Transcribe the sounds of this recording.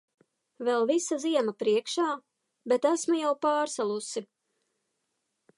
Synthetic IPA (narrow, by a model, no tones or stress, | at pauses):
vɛlˠvisaziɛmapɾiɛkʃaː | bet̪æsmujawpaːɾsalˠusi